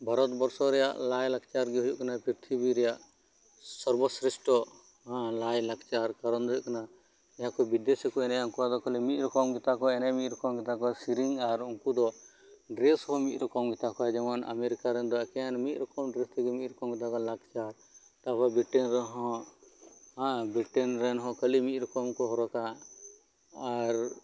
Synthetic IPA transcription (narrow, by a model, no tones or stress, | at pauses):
bʱaɾɔt̪bɔɾsɔɾɛja̰ʔlajlaɡt͡ʃaɾɡɛɦujuʔkanapiɾt̪ʰibiɾɛjaʔ | sɔɾbɔsɾisʈɔ | ɦlajlaɡt͡ʃaɾkaɾɔnd̪ɔjuʔkana | ɛãkɔbid̪esɛkɔɛnɛjaũŋkuwad̪ɔkɔlɛmit̪̚ɾɔkɔmɡɛt̪akɔɛnɛmit̪̚ɾɔkɔmɡɛt̪akɔsiɾiŋaɾuŋkud̪ɔ | ɖɾɛshɔ̃mit̪̚ˀɾɔkɔmɡit̪akɔad͡ʒɛmana̰meɾikaɾɛnd̪ɔɛkɛanmit̪̚ˀɾɔkɔmɖɾɛst̪iɡɛmit̪̚ɾɔkɔmɡɛt̪akɔlaɡt͡ʃaɾ | t̪apɔbiʈɛnɾɛɦɦɔ̃ | ɦãbɾiʈɛnɾɛnɦɔ̃kəlimit̪̚ɾɔkɔmkɔɦɔɾɔka | aɾ